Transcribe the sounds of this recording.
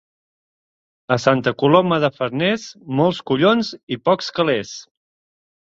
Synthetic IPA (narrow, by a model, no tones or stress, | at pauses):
əsant̪əkulɔməðəfəɾnɛzmɔlˠskuʎonzipɔkskəles